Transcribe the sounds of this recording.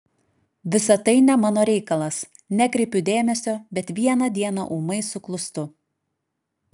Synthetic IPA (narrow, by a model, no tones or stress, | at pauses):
ʋʲɪsɐt̪ɐɪnʲɛmɑːnoːɾʲɛɪkɐlˠɐs | nʲɛkɾʲɪpʲʊd̪ʲeːmʲɛsʲoːbʲɛt̪ʋʲiɛnɐd̪ʲiɛnɑ̰ʔuːmɐɪsʊklˠʊst̪ʊ